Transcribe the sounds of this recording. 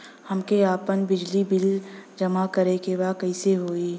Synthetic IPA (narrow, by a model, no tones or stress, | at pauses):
hɐmkeaːpənbɪd͡ʒlibɪld͡ʒɐmakɐɾekebaːkɐiseɦoːiː